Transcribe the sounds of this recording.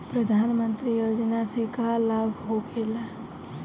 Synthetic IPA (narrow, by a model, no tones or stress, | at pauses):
pɾəd̪ʱanmənt̪ɾijod͡ʒnasekalabʱɦoɡela